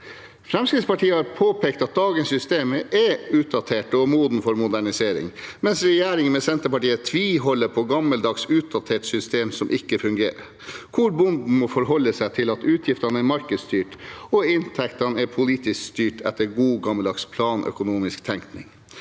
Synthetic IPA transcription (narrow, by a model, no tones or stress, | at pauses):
fɾɛmskɾɪt̪spɑʈʰiːəhɑːɾpʰoːpʰeːkt̪ɑt̪̚d̪ɑːɡənsʏst̪eːməʔɛʉːt̪̚d̪ɑt̪ʰeːʈɔmuːd̪n̩fɔɾmʊd̪æɳɪseːɾɪ̰ŋmɛnsɾɛjeːɾɪŋənmɛsɛnt̪əpɑʈiːət̪ʰʋiːɦɔlːəɾpʰɔɡɑmːəld̪ɑɡsʉːt̪̚d̪ɑt̪ʰeːʈsʏst̪eːmsɔmʔɪkːəfʉŋɡḛːɾə | kʰʊɾbʊnd̪n̩mɔfɔɾɦɔlːəsæɪt̪ʰɪlɑt̪ʉːt̪ʰjɪft̪ɑnəɛɾmɑɾkəd̪st̪yːʈɔɪnt̪ʰɛkt̪ɑnɛɾpʰʊliːt̪ɪskst̪yːʈʰɛ̰t̪ːəɾɡuːɡɑməld̪ɑːkspʰlɑːnʔœ̰kʊnuːmɪskt̪ʰɛŋk̪nɪŋ